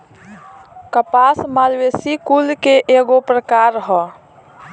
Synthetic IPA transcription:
kəpasmaːlwesikulkeʔeɡopɾəkaɾɦɔ

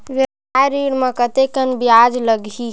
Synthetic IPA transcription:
ʋɪɾ | aɾiɽmə̃kət̪ekənbijaːd͡ʒləɡi

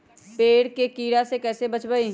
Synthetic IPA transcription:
peːɽkekiːɽasekɛːsebət͡ʃbəi

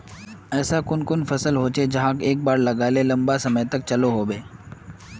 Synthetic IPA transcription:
ɛːsakʊnkʊnfɐsəlɦoːt͡ʃed͡ʒɐɦãːkeːk̚baːɾlɐɡaːlelɐ̃mbasɐməjt̪ɐk̚t͡ʃɐloɦoːbeː

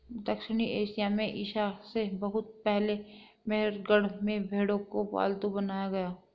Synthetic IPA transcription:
d̪əkʃɪñiʔeːsijamẽʔɪːʃasebɐɦʊt̪̚pɛɦle | meɦɾɡəɽ̤mẽbʱeːɽõkoʋa̰ːld̪ubɐnaːjaɡɐjaː

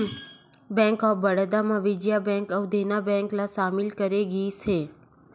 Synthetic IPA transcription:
bɛ̃ŋkəbəɽəd̪amãʋɪd͡ʒjabɛ̃ŋkəwd̪ʱenabɛ̃ŋklasamilkəɾeɡisʰe

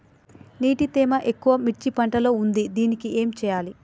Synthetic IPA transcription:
niːʈit̪eːmɐʔe̞kːuʋɐmiʈt͡ʃipɐɳʈɐlo̞ːund̪id̪iːnikiʔe̞ːmt͡ʃɛːjaːli

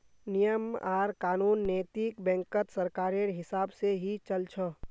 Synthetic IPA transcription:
nijəmaːɾkaːnuːnːeːt̪ikbɛ̃ːŋkət̪səɾkaːɾeɾɦɪsaːbseɦit͡ʃəlt͡ʃʰə

